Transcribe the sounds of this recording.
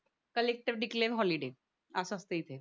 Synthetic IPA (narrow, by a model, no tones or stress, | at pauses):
kəleːk̚ʈɪʋɖɪkleːʋɦɔːliɖeː | asast̪eit̪ʰeː